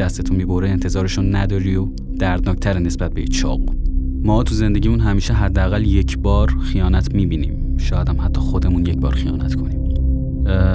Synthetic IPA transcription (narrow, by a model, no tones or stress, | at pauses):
æst̪et̪ʰunmiːboɾeːnt̪ʰe̞zɒːɾeʃunnæd̪ɒːɾio | d̪̥æɾd̪nɒːct̪ʰæɾenesbæt̪̚beit͡ʃʰɒ̰ːbṵmɒːt̪ʰuze̞nd̪e̞ɟʲiːmunɦæmiːʃeɦæd̪ːeæɣæljecʰbɒːɾxijɒːnæt̪ʰmiːbiːnḭːm | ʃɒːjæd̪æmhæt̪ʰːɒːxod̪e̞munjecbɒ̰ːɾxijɒ̰ːnæt̪kʰo̞niːm